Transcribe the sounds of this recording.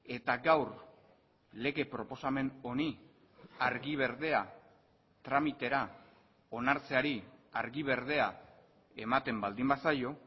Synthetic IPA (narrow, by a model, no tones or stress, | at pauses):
e̞t̪aɡawɾ | le̞ɣe̞pɾo̞po̞same̞no̞ni | aɾɣiβ̞e̞ɾðe̞a | t̪ɾamit̪e̞ɾa | o̞naɾt͡se̞aɾiaɾɣiβ̞e̞ɾð̞e̞a | e̞mat̪e̞mbald̪imbasajo̞